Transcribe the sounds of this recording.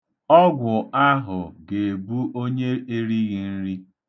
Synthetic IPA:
ɔ˦ɡʷʊ˨a˦ɦʊ˨ɡe˨bu˦ʔo˦ɲe˦ʔe˦ɾi˦ɣi˨n̩˦ɾi˦

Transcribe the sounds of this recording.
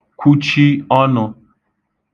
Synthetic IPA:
kʷu˦t͡ʃi˦ɔ˦nʊ˧

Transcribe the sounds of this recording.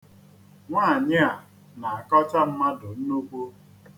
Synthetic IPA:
ŋʷaː˦˨ɲɪ˦a˨ | na˨a˨kɔ˦t͡ʃa˦m̩˦ma˦dʊ˨n̩˦nu˦kʷu˦

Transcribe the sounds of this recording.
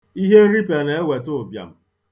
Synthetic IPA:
i˦ɦe˦ɾi˦pe˨ne˨e˦we˨to˦˨bja̰˨m̩˦

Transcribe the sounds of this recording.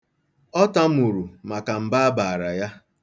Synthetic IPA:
ɔ˦ta˦m̩˦u˨ɾu˨ma˨ka˨m̩˨ba˦a˦ba˨ɾa˨ja˦

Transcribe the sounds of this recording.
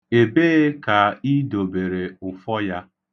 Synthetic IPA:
e˨beː˦ka˨i˦do˨be˨ɾe˨ʊ˨fɔ˦ja˦

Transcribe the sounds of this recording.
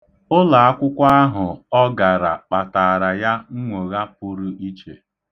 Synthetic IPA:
ʊ˦la˨a˦kʷʊ˦kʷa˦a˦ɦʊ˨ɔ˦ɡa˨ɾa˨k͡pa˨ta˨a˨ɾa˨ja˦ŋ̩˦ŋʷo˨ɣa˦p̚ʊ˦ɾʊ˦ʔi˦t͡ʃḛ˨

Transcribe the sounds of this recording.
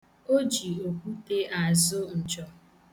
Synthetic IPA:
o˦d͡ʒi˨o˨kʷu˦te˦ʔa˨zʊ˦n̩˨t͡ʃɔ˨

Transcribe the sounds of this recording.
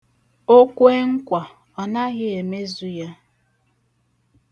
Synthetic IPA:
o˦kʷe˦ŋ̩˦kʷa˨ | ɔ˨na˦ɣɪ˦e˨me˦zu˦ja˦

